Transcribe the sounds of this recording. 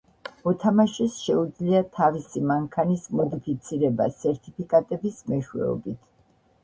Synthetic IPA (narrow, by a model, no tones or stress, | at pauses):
ɔt̪ʰamaʃɛsʃɛud̪zliat̪ʰavisimaŋkʰanismɔd̪ipʰit̪sʰiɾɛba̰sɛɾt̪ʰʼipʰikʼat̪ʼɛbismɛʃwɛ̰ɔ̰bit̪ʰ